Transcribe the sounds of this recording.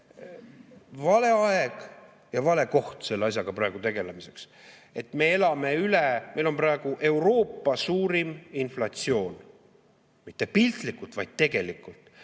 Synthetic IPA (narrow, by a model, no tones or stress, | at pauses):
vɑle̞ɑeɡ̥ | jɑvɑle̞ko̞ht̪se̞lːeɑs̬ʲjɑɡ̥ɑprɑeɡ̥ut̪e̞ɡ̥e̞lemise̞ks | e̞t̪ːme̞e̞lɑme̞yleme̞jlo̞mprɑeɡ̥uʔe̞wɾo̞ːpːɑsuːɾiminflɑt̪sio̞ːn | mit̪ːe̞pilʲt̪likːˑult̪vɑjd̪̥̚t̪e̞ɡ̥e̞likːˑult̪ːˑ